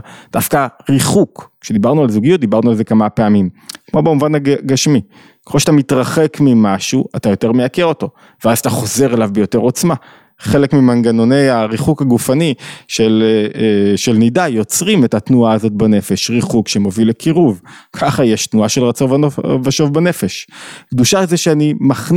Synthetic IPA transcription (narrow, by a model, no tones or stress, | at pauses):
d̥afkaʁiχukʃe̞d̪ibaʁnualzuɡijut̚d̪ibaʁnualze̞kamape̞amimkmo̞bemuvanhaɡaʃmi | ke̥χoʃat̪amitʁaχe̞kmimaʃuatajo̞te̞ʁmejakeʁo̞to̞ | veazat̪aχo̞ze̞ʁelavbejo̞te̞ʁo̞t͡sma | χe̞lekmimanɡanone̞jaʁiχukhaɡufaniʃel | ʃelnijdajo̞t͡sʁimetatnuaːzo̞t̚bane̞fe̞ʃʁiχukʃemovilekʰiʁuvkʰaχajeʃtnuaʃelʁat͡sovovaʃo̞vbane̞fe̞ʃɡduʃazeʃeanimaχ